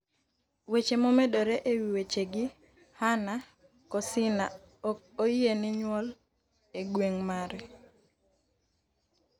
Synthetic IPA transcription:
wet͡ʃemomedoɾeʔewiwet͡ʃeɡɪ | hana | kɔsɪna | oienɪɲwɔl | eɡweŋmaɾɛ

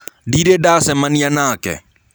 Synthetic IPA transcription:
ɖiɾeɖaːsɛmɐnjanaːkɛ̰

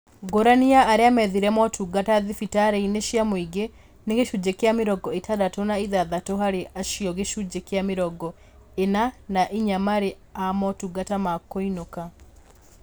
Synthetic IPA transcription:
ɡoɾaniaʔːɾeamɛðiɾɛmɔtʰuɡataðifitaɾeineʃjamoiɡe | neɡeʃud͡ʒekeameɾɔɡɔetadatonaiðaðatoɦaɾeʔaʃiɔɣeʃud͡ʒekeameɾɔɡɔ | enanaʔiɲamaɾe | amɔtuɡatamakoinoka

